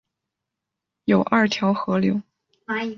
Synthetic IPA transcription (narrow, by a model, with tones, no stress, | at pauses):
jo˨˩ʊʔɐ˞˥˩t̪ʰjɑ˧˥ʊxɤ˧˥ljo˧˥ʊ˧